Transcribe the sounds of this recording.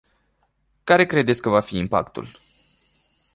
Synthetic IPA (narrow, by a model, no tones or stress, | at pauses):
kaɾe̞kɾe̞d̪e̞t̪sʲkəvafiːmpa̰kt̪ṵl